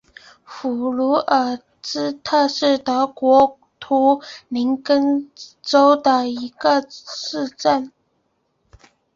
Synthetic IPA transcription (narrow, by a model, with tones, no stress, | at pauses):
fu˨˩lu˧˥ə˨˩ | t͡sɻ̩˥t̪ʰɤ˥˧ʂɻ̩˥˩t̪ɤ˧˥kwɔ˧˥ | t̪ʰu˧˥li˧˥nkə˥nʈ͡ʂo˥ʊd̪ə˨i˧˥ɡə˧ʂɻ̩˥˧ʈ͡ʂə˥˩n